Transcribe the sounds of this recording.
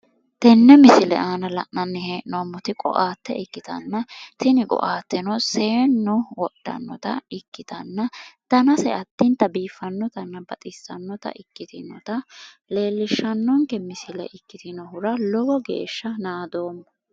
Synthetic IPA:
t̪ɛnːɛmɪsɪlɛ̰ʔaːnɐlɐ̰ʔnɐnːɪheːʔnomːʊt̪ɪkʼɔ̰ʔaːt̪ːɛ̰ɪkːɪt̪ɐ̰nːɐt̪ɪnɪkʼɔ̰ʔaːt̪ːɛnɔse̞ːnːɔwɔɗːɐ̰nːɔt̪ɐ̰ɪkːɪt̪ɐnːɐd̪̥ɐnɐsɛ̰ɐt̪ːɪnt̪ːɐbiːfːɐnːɔt̪ɐnːɐbɐt̪ʼɪsːɐnːɔt̪ɐ̰ʔɪkːɪt̪ɪnɔ̰t̪ɐ | le̞ːlːɪʃːɐnːɔŋkɛmɪsɪlɛ̰ʔɪkːɪt̪ɪnɔhʊɾɐlɔwɔɡḛːʃːɐnaːd̪o̞ːmː

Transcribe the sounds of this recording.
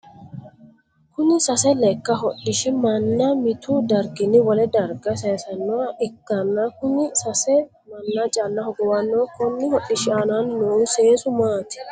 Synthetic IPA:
kʊnɪsɐsɛlɛkːɐɦɔɗːɪʃɪmɐnːɐmɪt̪uːd̪ɐɾɡɪnɪwɔlɛd̪ɐɾɡɐseːsɐnːɔʔɪkːɐnːakʊnɪsɐsɛ | mɐnːɐt͡ʃʼɐnːɐhɔɡɔwɐnːɔkɔnːɪhɔɗɪʃɪɐnɐnːuːseːsʊmaːt̪ɪ̥

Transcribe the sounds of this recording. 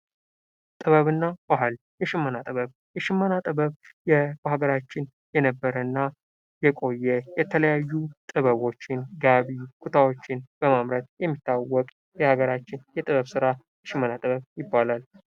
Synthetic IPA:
t̪ʼɨβəβɨnːab̥aɦal | jɛʃɪmːənat̪ʼɨβəβ | jɛʃɪmːənat̪ʼɨβəβjɛhaɡəɾat͡ʃːɪn | jɛnəbːəɾənːa | jɛkʼo̞jːɛjɛt̪ʰələjajːut̪ʼɨβəβo̞t͡ʃːɪnɡaβikʰut̪ʰawo̞t͡ʃːɪnb̥əmamɾət̪jɛmːit̪ʰːawːɔkʼ | jɛhaɡəɾat͡ʃːɪnjɛt̪ʼɨβəβsɨɾa | jɛʃɪmːənat̪ʼɨβəβjɪbːalal

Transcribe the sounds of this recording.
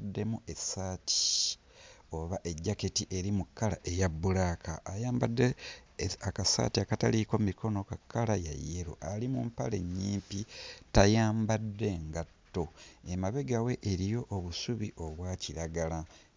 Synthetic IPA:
dːe̞muʔe̞saːtʰi̥ | o̞βaʔe̞ɟːaketiʔe̞ɾimukːala̰ʔe̞jabːulaːkʰa̰ʔːjaːmbadːe | akasa̰ːtiakataliko̞mikʰo̞no̞kakːalaja̰jːeɾo̰ʔalimumpale̞ɲːiːmpitajaːmbadːe̞ŋɡatːo̞e̞maβe̞ɡawe̞ʔːɾijo̞ʔːβusuβiʔo̞βwaːciɾaɡala

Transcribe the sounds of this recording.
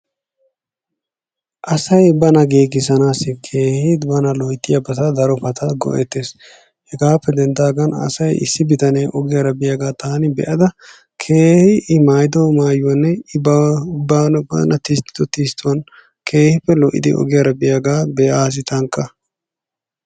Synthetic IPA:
ʔɐsɐjbɐnɐɡeːɡɪsɐnaːsɪkʰe̞ːhɪd̪bɐnɐlɔjt̪ʼːɪjɐbɐt̪ɐd̪ɐɾɔpɐt̪ʰɐɡɔ̰ʔɛ̰t̪ːeːs | hɛɡaːpːɛd̪ɛnd̪aːɡɐnɐ̰sɐjɪ̰sːɪbɪt̪ɐneʔɔɡɪjɐɾɐbɪjaɡaːt̪aːnɪbɛ̰ʔɐd̪ɐ | kʰeːhɪɪmaːjd̪ɔːmaːjʊwɐnːɛɪbːanɐ̰nɐt̪iːst̪ːɪ̥t̪ɔt̪iːst̪ːʊwɐn | kʰe̞ːhɪpːɛlɔʔːɪ̰d̪ɪʔɔ̰ɡɪjɐɾɐbɪjaɡaːbɛaːs̬ɪt̪ɐŋkʼːɐ

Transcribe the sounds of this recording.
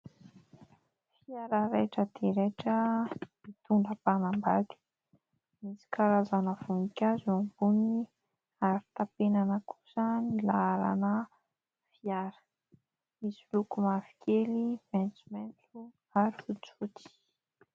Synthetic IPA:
fiaɾəɾeʈ͡ʂəd̪̥eɾeʈ͡ʂəmit̪uɳɖ͡ʐəpanambaɡ̪i̥ | misi̥kaɾazanəv̥unikʲazambuni | aɾi̥t̪apenanəku̥sənilaaɾa̰nə | fiaɾə̥ | misilukumavi̥kʰeliment͡sumɛnt͡su | aɾiut͡sut̪i̥

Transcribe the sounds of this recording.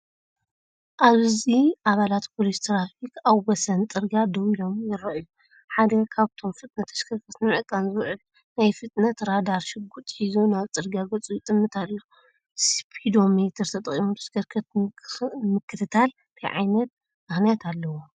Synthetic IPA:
ʔaβziʔaβalat̪pʰolist̪ʰɾafikaβɡɐsɐnt̪ʼɨɾɡad̪ɐwilo̞mjɪɾɐʔju | ħad̪ɐkʰaβt̪ʰo̞mfɨt̪ʼnɐt̪ʰɐ̥skʰɐɾkʰɐt̪nɨmɨʕɨkʼanzɨβʕɨl | najfɨt̪ʼnɐt̪ʰɾad̪aɾʃɨɡut̪ʼħizunaβt͡sʼɨɾɡaɡɐt͡sʼujɪt̪ʼɨmːɨt̪ʰalːo | spʰid̪o̞met̪ʰɐɾt̪ʰɐt̪ʼɐχʼimut̪ʰɐ̥skʰɐɾkʰɐt̪ | mɨkʰːɨt̪ʰɨt̪ʰal | t̪ʰɨjʕa̰jnɐt̪̚ | mɨxnijat̪ʰalːɐwo

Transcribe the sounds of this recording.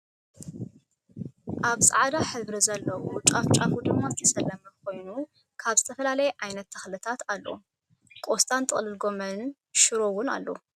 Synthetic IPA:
ʔaβsʼa̰ʕd̪aħɨβɾɐzɐlːɐwut͡ʃʼaft͡ʃʼafud̪ɨmːazɨt̪ʰɐsɐlɐmɨkʰo̞jnu | kʰaβzɨt̪ʰɐfɐlalɐjɛʕajnɐt̪ʰːɐxlɨt̪ʰat̪alːo̰ | kʼost̪ʼʰant̪ʼɨ̰xʼlɨlɡo̞mɐnn | ʃɨɾo̞wʊna̰lːo̰

